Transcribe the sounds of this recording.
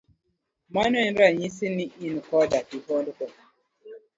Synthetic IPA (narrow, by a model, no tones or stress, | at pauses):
manɛnɾaɲisiniʔinukɔdaʔibɔduko